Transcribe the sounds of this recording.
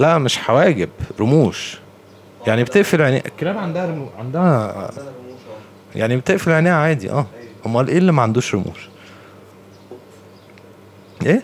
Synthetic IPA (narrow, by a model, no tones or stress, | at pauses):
læʔmeʃħawæːɡebɾomuːʃ | jaʕnibet̪eʔfilʕenæ̰ːʔʔekːelæːmʕand̪æhæɾmʕand̪æhæ | ja̰ʕnibet̪eʔfilʕenæːjʕaːd̪ḭʔæːhomːælʔeːlːimæʕand̪uːʃɾomṵːʃ | ʔeː